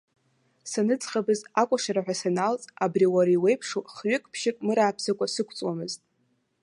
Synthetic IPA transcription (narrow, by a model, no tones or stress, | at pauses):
sanɨt͡sʼχabɨzakʷʼaʂaɾaħʷᶣasanalt͡sʼabriwaɾaiwe̞jpʰʂoχɥʷʊkʼpʰʃɪkʼmɨɾaːpʰsakʷʼasɨkʷʰt͡sʼwamɨztʼ